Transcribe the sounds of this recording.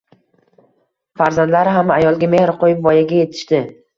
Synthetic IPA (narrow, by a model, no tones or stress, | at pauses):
faɾzand̪laɾɪɦamajɒlˠɡʲame̞hɾqʰojɪpvɒjaɡʲaje̞t̪ʰɪ̥ʃt̪ɪ